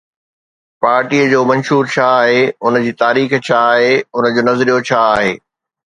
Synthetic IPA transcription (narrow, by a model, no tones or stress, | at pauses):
paːɾʈiːəd͡ʑoːmɐ̃nʃuːɾt͡ɕʰaaːɦeʊnə̆d͡ʑiːt̪aːɾiːxt͡ɕʰaːɦeʊnəd͡ʑoːnɐzɾijot͡ɕʰaaːɦeː